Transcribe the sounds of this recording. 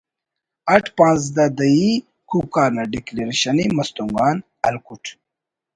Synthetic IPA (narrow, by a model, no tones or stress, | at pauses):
ɐʈʰpãːnz̬d̪ɐd̪ɐi | kukaːɾnaɖikleɾiɕɐnimɐst̪uŋɡaːn | ɐlkuʈʰ